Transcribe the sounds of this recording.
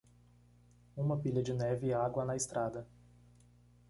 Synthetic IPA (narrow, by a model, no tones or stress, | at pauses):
ũmɐpiʎɐd͡ʒɪnɛvɪaɡwɐnɐɪst̪ɾad̪ɐ